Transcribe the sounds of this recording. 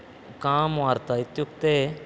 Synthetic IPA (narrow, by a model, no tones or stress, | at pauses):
kaːmaːɾt̪aɪt̪jʊkt̪eː